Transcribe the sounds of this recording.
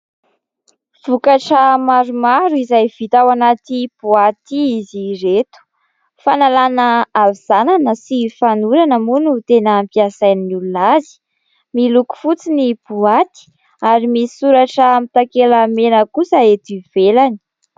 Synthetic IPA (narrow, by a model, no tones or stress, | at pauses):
v̥ukaʈ͡ʂəmaɾumaɾuizajv̥it̪awanat̪ib̥uat̪iiziret̪u̥ | fanalanəaviz̥ananəsifanuɾanəmunut̪enəmpiasajnnululazi̥ | miluku̥fut͡sinib̥uat̪i̥ | aɾimisi̥suɾaʈ͡ʂəmit̪akelamenəkusəet̪iv̥elani̥